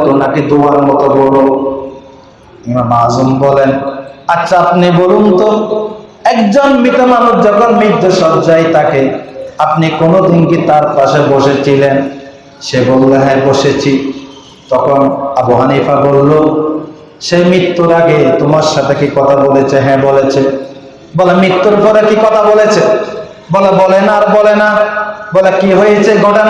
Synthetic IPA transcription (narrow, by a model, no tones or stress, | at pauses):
t̪omakid̪ubaɾmɔt̪obolo | iŋamazumbɔlenat͡ɕːapnibolunt̪o | ɛkd͡ʑonmit̪omanuʃd͡ʑɔkʰonmid̪ʱːoʃɔd͡ʑajt̪akeap̚nikonod̪inkit̪aɾpaʃeboʃet͡ɕʰilen | ʃebolːeɦaeboʃet͡ɕʰi | t̪ɔkʰonaboɦanipʰabolːo | ʃemit̪ːuɾaɡet̪omaɾʃat̪ʰekikɔt̪ʰabolet͡ɕʰeɦɛ̃bolet͡ɕʰe | bɔlemit̪ːoɾpʰɔɾekikɔt̪ʰabolet͡ɕʰe | bɔlebɔlenaaɾbɔlenabɔlekiɦojet͡ɕʰeɡʱɔʈen